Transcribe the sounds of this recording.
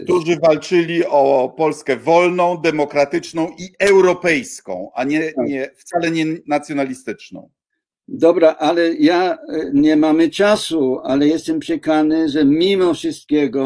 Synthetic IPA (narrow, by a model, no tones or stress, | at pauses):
kt̪uʐɘvalt͡ʂɘlʲiɔpɔlskɛvɔlnɔ̃w̃d̪ɛmɔkɾat̪ɘt͡ʂnɔ̃w̃iɛwɾɔpɛjskɔ̰̃w̃ʔaɲɛɲɛft̪salɛɲɛnat̪sʲjɔnalʲist̪ɘt͡ʂnɔ̰̃w̃ | d̪ɔbɾaʔalɛjaɲɛmamɘt͡ʂasualɛjɛst̪ɛmpʂɛkanɘʐɛmʲimɔfʂɨst̪̚kʲɛɡɔ